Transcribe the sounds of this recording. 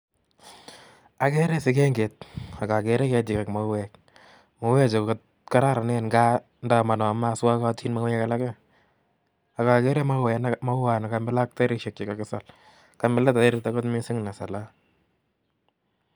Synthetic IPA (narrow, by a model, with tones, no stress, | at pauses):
a˨kɛ˦ɾɛ˦sɪ˦kɛ˦ŋɡe˨t̚a˨ka˨kɛ˨ɾɛ˦kɛ˧tɪ˨kɛ˨kma˦ɛ˨k̚ | ma˨˦wɛ˦t͡ʃɪ˨kkɔ˦t̚ | ka˦ɾa˦ɾa˨nɛ˦nɡa˦ | nda˨ma˨nɔ˨ma˦swa˦ka˦ti˦nma˦wɛ˦ka˦la˦kɛ˦ | a˨ka˨kɛ˦ɾɛ˦ma˦wɛnma˦a˨na˨ka˦mbɪ˦la˦k̚ta˦ɾɪ˦ʃɛ˨k̚t͡ʃi˨ka˨kɪ˦sa˨l | ka˨mbɪ˦la˦ta˨ɪ˦ɾɪta˦kɔ˦tmɪ˦sɪ˦ŋna˨sa˨la˦